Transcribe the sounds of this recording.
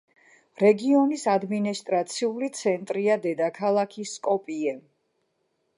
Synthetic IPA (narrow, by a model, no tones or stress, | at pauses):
ɾɛɡiɔnisad̪minist̪ʼɾat̪sʰiulit̪sʰɛnt̪ʼɾiad̪ɛd̪akʰalˠakʰiskʼɔpʼiɛ